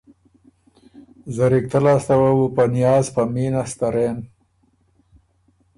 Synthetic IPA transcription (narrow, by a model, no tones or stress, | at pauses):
zaɾik̚t̪alast̪awawupanijɑːzpaminast̪aɾen